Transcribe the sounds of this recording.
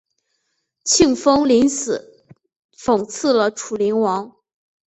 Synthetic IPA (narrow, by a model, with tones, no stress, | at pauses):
t͡ɕʰi˥˩ŋfɤ˥ŋli˧˥nsɹ̩˨˩˦ | fɤ˨˩ŋt͡s̩ʰ˥˩lə˨ʈ͡ʂʰu˨˩li˧˥nwɑ˧˥ŋ